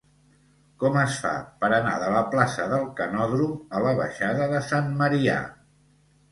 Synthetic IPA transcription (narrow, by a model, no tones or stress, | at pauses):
kɔməsfa̰pəɾəna̰ðələplasəðəlˠkənɔðɾuələβ̞ə̰ʃaðəðəsanməɾia̰